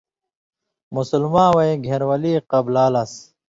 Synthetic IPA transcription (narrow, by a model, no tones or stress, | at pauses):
musulmãːwɐjɡʱeɾwɐliːqɐblaːlɐs